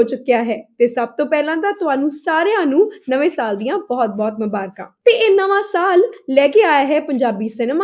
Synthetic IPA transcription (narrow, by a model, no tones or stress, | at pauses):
oːt͡ʃʊkːjaːɦɛːt̪eːsəb̚t̪õːpɛːlãːt̪aːt̪ʊɦãːnũːsaːɾejãːnũːnəʋẽːsaːld̪ijãːbɔːt̪̚bɔːt̪mʊbaːɾkãːt̪eːɪnːãːʋãːsaːllɛːkeːaːjaːɦɛːpəɲd͡ʒaːbiːsɪnmaː